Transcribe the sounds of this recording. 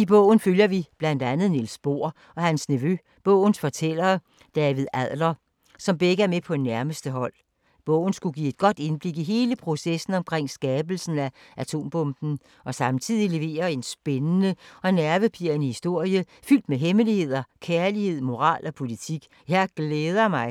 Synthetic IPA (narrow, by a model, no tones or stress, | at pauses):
ib̥ɔ̰̽ʊ̰n̩føljɐʋib̥læn̰d̥ænð̞̩ˠnilsb̥o̝ɐ̰ | ɒ̽hænsniʋø | b̥ɔ̽ʊ̰n̩sfɒ̽t͡sʰel̰ɐː | d̥ɛːʋiðˠæð̰ˠlɐ | sɒ̽mb̥eɡ̥æmepʰɒ̽næɐməsd̥əɦɒ̽l̰ | b̥ɔ̽ʊ̰n̩sɡ̥uɡḭe̝d̥̚ɡ̥ɒ̽d̥e̝nb̥le̝ɡ̥iɦe̝ːləpʰʁo̝sesn̩ɒ̽mkʰʁeŋ̰sɡ̥ɛːb̥l̩sn̩æʔæt͡sʰo̝̰ːmb̥ɔ̽mb̥n̩ | ɒ̽sɑ̈mt͡sʰið̰ˠile̝ʋe̝̰ːɐe̝nsb̥enənəɒ̽næɐʋəpʰiɐnəhisd̥o̝ɐ̰jə | fyl̰d̥meɦeməlihe̝ð̞̰ˠɐkʰæɐlihe̝ð̰ˠmo̝ʁɑ̰̈ːlɒ̽pʰo̝lit͡sʰiɡ̥ | jɑɪɡ̥leːðˠɐmɑ̈ɪ